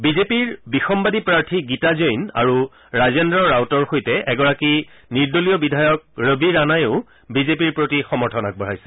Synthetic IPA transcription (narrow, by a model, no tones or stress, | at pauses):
bizepiɹbixɔmbadipɹaɹtʰiɡitazojna̰ɹu | ɹazendɹɔɹawtɔɹxojtɛʔɛɡɔɹaki | niɹdolijɔbidʱajɔk̚ɹəbʱiɹanajʊ | bizepiɹpɹotixɔmɔɹtʰɔnak̚bɔɹajsɛ̥